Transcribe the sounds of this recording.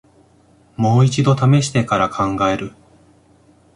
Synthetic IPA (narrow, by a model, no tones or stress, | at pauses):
mo̞ːit͡ɕid̪o̞t̪ame̞ɕi̥t̪e̞kaɾakʰãŋɡae̞ɾɯ̟